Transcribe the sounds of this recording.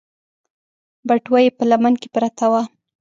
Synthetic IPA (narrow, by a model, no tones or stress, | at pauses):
baʈwajepəlamankepɾat̪awa